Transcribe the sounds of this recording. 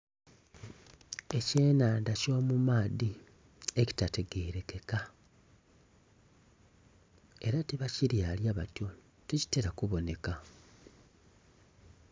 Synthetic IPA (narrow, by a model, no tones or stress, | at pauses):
e̞ce̞ːnaːndaco̞ːmumaːði | e̞ci̥tate̞ɡeːɾe̞ke̞ka | e̞ɾatiβaciɾjaːljaβa̰tjo̞ | teci̥teɾakuβo̞ne̞ka